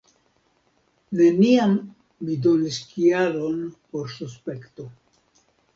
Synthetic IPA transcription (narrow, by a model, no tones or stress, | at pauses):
ne̞niamː | ido̞niskiaɾo̞npo̞ɾsuspe̞kto̞